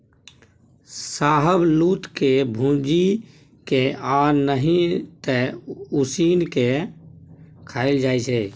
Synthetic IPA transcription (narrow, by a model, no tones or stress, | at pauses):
saːɦəbluːt̪kebʱũd͡ʒi | keaːɾnəɦĩt̪ɛusiːnke | kʰaːɪld͡ʒaːit͡ʃʰɛ